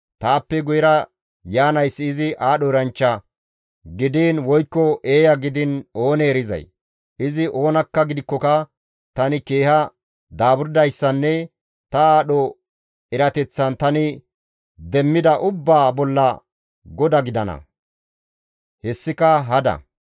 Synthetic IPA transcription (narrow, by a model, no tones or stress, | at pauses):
t̪aːpːɛɡʊjɪɾɐ | jaːnɐjsːɪːzɪʔaːɗɔɛɾɐnt͡ʃːɐ | ɡɪd̪iːnwɔjkːɔʔeːjɐɡɪd̪ɪno̞ːnɛːɾɪzɐ̰j | ʔɪzɪʔo̞ːnɐkːɐɡɪd̪ɪkːɔkɐ | t̪ɐnɪke̞ːhɐ | d̪aːbʊɾd̪ɐjsːɐnːɛ | t̪ɐaːɗɔ | ɛɾɐt̪ɛt͡sːɐnt̪ɐnɪ | d̪ɛmːɪd̪ɐʔʊbːaːbɔlːɐ | ɡɔd̪ɐɡɪd̪ɐnɐ̰ | hɛsːɪkɐɦɐd̪ɐ̰